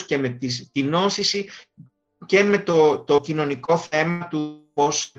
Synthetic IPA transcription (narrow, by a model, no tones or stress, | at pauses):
scemet̪ist̪ino̞sisi | ce̞me̞t̪ot̪o̞cino̞niko̞θe̞mɐt̪upo̞s